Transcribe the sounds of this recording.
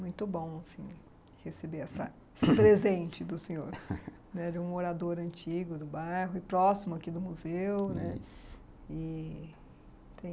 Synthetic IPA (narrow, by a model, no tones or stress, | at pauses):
mũj̃t̪ʊbõw̃asĩ | hesebeɛsɐ̰ | spɾezẽnt͡ʃɪd̪ʊsẽɲoɾ | nɛd͡ʒɪũoɾad̪oɾɐ̃nt͡ʃiɡʊd̪ʊbajɦʊɪpɾɔsimʊakid̪ʊmuzewnɛ | ɪ | t̪ẽj̃